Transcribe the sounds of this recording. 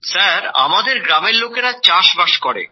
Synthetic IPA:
saɾa̰mad̪eɾɡɾameɾlokeɾat͡ɕaʃbaʃkɔɾḛ

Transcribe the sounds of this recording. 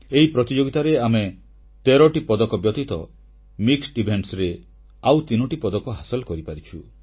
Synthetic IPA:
eɦipɾɔt̪id͡ʒoɡit̪aɾeame | t̪eɾɔʈipɔd̪ɔkɔbjɔt̪it̪ɔ̰ | miksɖibʱeɳʈsɾe | awt̪inɔʈipɔd̪ɔkɔɦasɔlkɔɾipaɾit͡ʃʰu

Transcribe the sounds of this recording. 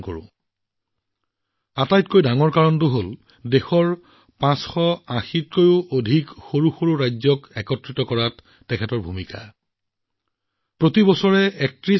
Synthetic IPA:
ko̰ɹʊ̰̃ | atajtkojdaŋɔɹkaɹɔnt̬ʊɦol | dexɔɹ | pãsxɔãxit̚kojʊʔodʱikxoɹuxoɹuɹajzɔkɛkɔtɹitɔkɔɹatː | ɛkʰɛtɔɹbʱumika̰ | pɹotibɔsɔɹɛɛk̚tɹi

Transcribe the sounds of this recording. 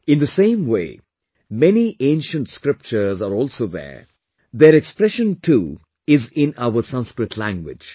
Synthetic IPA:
ɪ̃nd̪əsẽːmwḛː | mɛniʔẽːnʃə̃nʈskɾɪp̚t͡ʃəzaɾɔːlsoːðɛ̰ | d̪eːɾɛkspɾɛʃə̃ntʰuː | ɪzɪ̃naʊəsʌ̃nskɾɪtʰlæ̰̃ŋɡwɪ̰d͡ʒ

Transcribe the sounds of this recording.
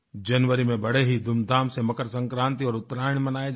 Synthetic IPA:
d͡ʒɐnʋəɾimẽbɐɽ̤eɦid̪ʱʊmd̪ʱaːmsemɐkəɾsɐ̃ŋkɾãːnt̪iɔːɾʊt̪ːɾaːɽ̃imɐnaːe

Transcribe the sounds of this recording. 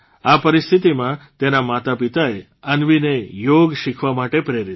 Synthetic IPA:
apəɾɪst̪ʰit̪imãt̪enamat̪apit̪ae | ənʋinejoɡʃikʰʋamaʈepɾeɾit̪

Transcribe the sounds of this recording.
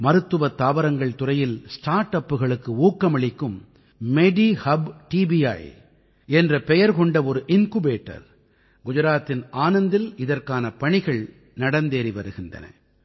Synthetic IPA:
mɐɾɯt̪ːɯʋɐt̪ːaːʋɐɾɐŋɡɐɭt̪ʊrɐjɪlsʈaːɾʈɐpːɯɣɐɭɯkːɯuːkːɐmɐɭɪkːɯmː | ɛɖihɐbʈiːbijɐ̰ːj | ɛndrɐpɛjɐɾkɔɳɖɐɔɾɯʔɪnkubeːʈːɐ̰ɾ | ɡʊd͡ʒɐɾaːt̪ːɪnaːnɐnd̪ɪlɪðɐrkaːnɐpɐɳɪɣɐɭ | nɐɽɐnd̪eːɾiʋɐɾɯɣɪndrɐ̰nɐ̰

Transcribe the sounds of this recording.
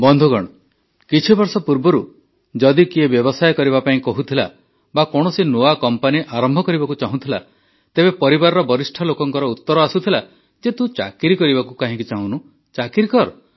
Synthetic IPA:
bɔnd̪ʱuɡɔɽ̃ɔ | kit͡ʃʰibɔɾsɔpuɾbɔɾu | d͡ʒɔd̪ikiebjɔbɔsajkɔɾibapaĩkɔɦut̪ʰila̰ | bakɔɽ̃ɔsinoakɔmpaniʔaɾɔmbʱɔkɔɾibakut͡ʃaɦũt̪ʰila | t̪ebepɔɾibaɾɔɾɔbɔɾisʈʰɔlokɔŋkɔɾɔut̪ːɔɾɔasut̪ʰila | d͡ʒet̪ũt͡ʃa̰kiɾikɔɾibakukaɦĩkut͡ʃaɦũnu | t͡ʃakiɾikɔɾ

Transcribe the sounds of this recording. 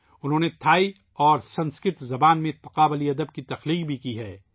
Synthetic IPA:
ʊnɦõːnet̪ʰaːi | ɔːɾsɐ̃nskɪt̪zɐbaːnmẽt̪ɐqaːbəliɐd̪əb̚kit̪ɐxliːqbʱikiɦɛː

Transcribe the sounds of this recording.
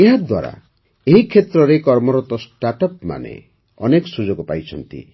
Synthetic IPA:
eɦad̪wa̰ɾa̰ | eɦikʰːet̪ɾɔɾekɔɾmɔɾɔt̪ɔsʈaʈɔpma̰nḛ | ɔnekɔsud͡ʒɔkɔpajt͡ʃʰɔnt̪ḭ

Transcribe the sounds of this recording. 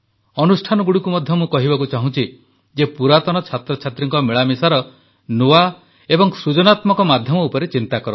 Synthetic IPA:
ɔnusʈʰanɔɡuɽikumɔd̪ʱjɔmũkɔɦibakut͡ʃaɦũt͡ʃʰi | d͡ʒepuɾat̪ɔñɔt͡ʃʰat̪ɾɔt͡ʃʰat̪ɾiŋkɔmiɭamisaɾɔ | nua | ebɔŋsud͡ʒɔnat̪mɔkɔmad̪ʱjɔmɔupɔɾet͡ʃint̪akɔɾɔ

